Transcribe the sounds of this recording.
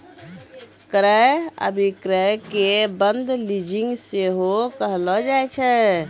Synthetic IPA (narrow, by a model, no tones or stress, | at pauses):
kɾɛə̰bʱikɾəkebənd̪ʱlid͡ʒiŋɡseɦokəɦlɔd͡ʒajt͡ʃʰɛ